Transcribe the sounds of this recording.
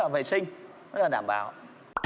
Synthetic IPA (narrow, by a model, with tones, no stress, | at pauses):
a̰ː˧˩vḛ˧˨sï˧ŋ̟ː˧˥ | laː˨˩ɗaː˧˩mɓa̰ː˨˩w